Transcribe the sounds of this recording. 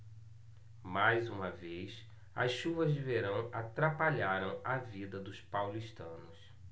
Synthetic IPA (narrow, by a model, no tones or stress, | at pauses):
majzũmɐvejs | ɐ̰sʃuvɐzveɾɐ̃w̃at̪ɾapaʎaɾɐ̃w̃ɐvid̪ɐd̪ʊspawliʃt̪ɐ̃nʊs